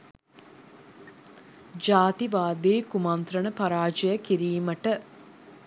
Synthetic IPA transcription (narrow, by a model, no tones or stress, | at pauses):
d͡ʒaːt̪iʋaːd̪eːkumant̪ɾənəpaɾaːd͡ʒəjəkiɾiːməʈə